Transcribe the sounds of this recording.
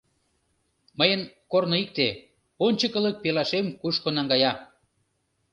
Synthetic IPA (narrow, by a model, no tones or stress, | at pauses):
məjənkornoik̚t̪e | onʲt͡ɕəkələk̚pelɑʃemkuʃkonɑŋɡɑjɑ